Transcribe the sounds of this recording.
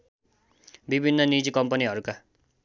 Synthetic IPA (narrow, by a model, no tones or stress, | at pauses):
bibʱinːʌnid͡zikʌmpʌniɦʌɾuka